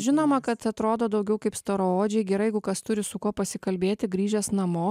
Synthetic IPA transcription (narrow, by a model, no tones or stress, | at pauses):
ʒʲɪnoːmɐkɐt̪ɐt̪ɾoːd̪oːd̪ɒʊɡʲɛʊkɐɪpst̪ɐɾooːd͡ʒʲɛɪɡʲɛɾɐɪɡʊkɐst̪ʊɾʲɪsʊkuɔpɐsʲɪkɐlʲbʲeːt̪ʲɪɡɾʲiːʒʲɛsnɐmoː